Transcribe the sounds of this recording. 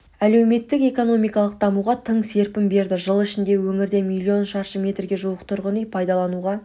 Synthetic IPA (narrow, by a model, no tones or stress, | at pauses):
æle̞wme̞t̪ːɪke̞ko̞no̞mijkɑlˠəq̚d̪ɑmuʁɑt̪ʰəɴse̞ɾpɪmbe̞ɾd̪ɪʒəlˠɪʃɪnd̪e̞wɵŋɪɾd̪emilʲˠːio̞nʃɑɾʃəmʲe̞t̪rɡʲe̞ʒuwəqt̪ʰʊɾʁənijpʰɑjd̪ɑlˠɑnuʁɑ